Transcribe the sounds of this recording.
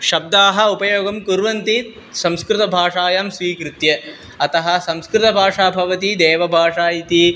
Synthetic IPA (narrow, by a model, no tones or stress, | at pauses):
ʃɐb̚d̪aːɦɐ̆upɐjoːɡɐmkuɾʋɐnt̪i | sɐ̃mskɾɪt̪ɐbʱaːʂaːjaːmsʋiːkɾɪt̪jɐ | ɐt̪ɐɦɐ̆sɐmskɾɪt̪ɐbʱaːʂaːbʱɐʋɐt̪id̪eːʋɐbʱaːʂaːjit̪i